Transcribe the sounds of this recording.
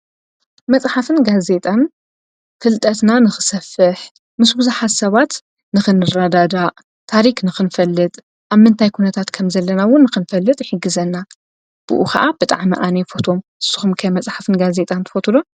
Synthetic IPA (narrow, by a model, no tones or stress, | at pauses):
mɐt͡sʼħafɨnɡaze̞t̪ʼan | fɨlt̪ʼɐt̪nanɨxɨ̥sɐfɨħ | mɨsbɨzuħat̪sɐβat̪ | nɨxɨnɨrad̪ad̪aʔ | t̪ʰaɾiknɨxɨnfɐlːɨt̪ʼ | ʔaβmɨnt̪ʰajkʰunɐt̪ʰat̪kʰɐmzɐlːɐnawʊnːɨxɨnfɐlːɨt̪ʼħɨɡɨzɐnːa | b̥ṵʔṵxʰɐ̰ʔabɨt̪ʼa̰ʕmḭʔanefo̞t̪ʰo̞mʔɨsːuxumkʰɐjmɐt͡sʼħafɨnɡaze̞t̪ʼant̪ʰɨ̥fot̪ʰulo